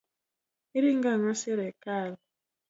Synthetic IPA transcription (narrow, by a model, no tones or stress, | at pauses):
iɾiŋɡaŋaseɾɛkaːlɔ